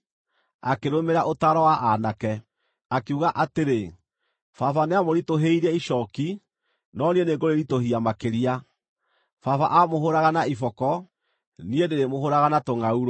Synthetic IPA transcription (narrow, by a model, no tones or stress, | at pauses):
akeɾomeɾaʔotaːɾɔwaʔanakɛ | akuɣaʔateɾe | fafaneamoɾitoɦeiɾɛiʃɔki | nɔnieneŋɡoɾeɾitohiamakeɾia | fafa̰ʔamoɦoɾaɣanaifɔkɔ | niedeɾemoɦoɾaɣanatoŋauɾo